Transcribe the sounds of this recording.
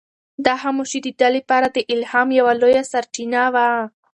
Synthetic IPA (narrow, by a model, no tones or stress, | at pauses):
d̪ɑɦamoʃid̪əɖalepɑɾad̪əʔɪlhɑmjawalojasaɾt͡ʃinawa